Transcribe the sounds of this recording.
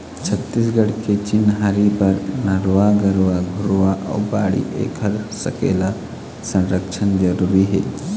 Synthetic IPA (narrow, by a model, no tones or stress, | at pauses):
t͡ʃʰɐt̪ːis̬ɡɐɽiket͡ʃinːɦaɾibɐɾnɐɾʋaːɡɐɾʋaɡʱuɾuʋaʔɐ̰wbaːɽḭʔḛːkʰɐɾsɐkḛːla | sɐnɾɐkʃʰɐnd͡ʒɐɾuɾiɦe